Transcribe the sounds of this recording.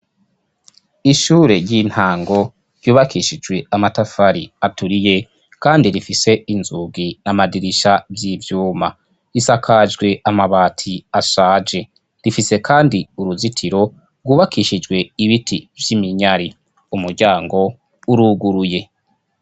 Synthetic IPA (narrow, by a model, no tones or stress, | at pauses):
iʃuːɾe̞ɾjin̥haːŋɡo̞ | ɾjuːβakiːʃid͡ʒɡwe̞amatafaɾiatuɾije̞ | kaːndiɾifise̞inzuɡinamadiɾiʃavjivjuːma | isakʰad͡ʒɡwe̞ʔamaβaːtʰiaʃaːd͡ʒe̞ | ɾifise̞kʰaːndiuɾuzitʰiɾo̞ | ɾɡwuːβakiʃid͡ʒɡwe̞iβitʰivjimiɲaɾi | umuɾɟaːŋɡo̞ | uɾuːɡuɾuje̞